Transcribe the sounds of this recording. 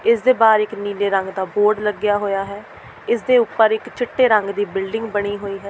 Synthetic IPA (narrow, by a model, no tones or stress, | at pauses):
ɪsd̪eːbaːɾɪkniːleːɾəŋɡd̪aːboːɾɖləɡɪjaːɦoːjaːɦɛː | ɪsd̪eːʊpːəɾɪkt͡ʃʰɪʈːeːɾə̃ŋɡd̪iːbɪlɖɪ̃ŋɡbəɽ̃iːɦoːiːɦɛː